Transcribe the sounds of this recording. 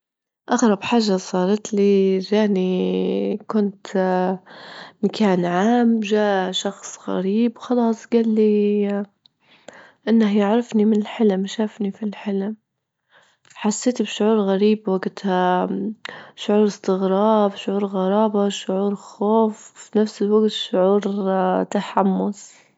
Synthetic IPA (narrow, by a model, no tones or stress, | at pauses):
ʔaɣɾˤɑbħaʒːasˤɑːɾˤɑt̪liʒaːni | kʊnt̪ | makʰaːnʕaːmʒaːʔʃɑxsˤɣa̰ɾiːbwxɑlɑːsˤɡalːi | ʔɪnːahjaʕɾˤɑfnimɪnɪlħɪlmʃaːfnifilħɪlm | ħasːeːt̪bʃʊʕuːɾɣaɾiːbwaɡt̪ | ʃʊʕuːɾɪst̪ɪɣɾˤɑːbʃʊʕuːɾɣɑɾˤɑːbaʃʊʕuːɾxoːfːinafsɪlwaɡt̪ʃʊʕuːɾt̪aħamːʊs